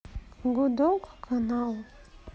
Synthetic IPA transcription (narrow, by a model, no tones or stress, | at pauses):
ɡud̪ɔkkʰanalˠ